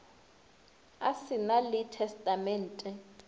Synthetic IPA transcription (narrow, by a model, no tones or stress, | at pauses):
asinalitʰɛstʼamɛːntʼɛ